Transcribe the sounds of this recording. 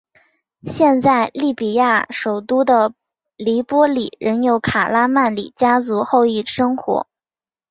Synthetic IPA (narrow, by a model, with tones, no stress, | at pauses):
ɕjɛ˥˧nt͡sa˥˧ɪli˥˩pi˨˩ja˥˩ʂo˨˩ʊt̪u˥d̪ə˨ | li˧˥pwɔ˥li˨˩˦ɻə˧˥njo˧˥ʊkʰa˨˩la˥ma˥˩nlḭ˨˩t͡ɕja˥t͡su˧˥xo˥˧ʊi˥˩ʂɤ˥ŋxwɔ̰˧˥